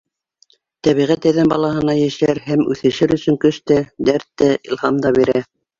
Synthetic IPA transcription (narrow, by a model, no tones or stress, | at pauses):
t̪æβiʁæt̪æðænbɑlˠɑɦɤ̆nɑjæʃæɾhæmʉ̰θɘ̆ʃɘɾɵ̆sɵ̆ŋkɵʃt̪æd̪æɾt̪ːæʔḭlˠhɑmd̪ɑβiɾæ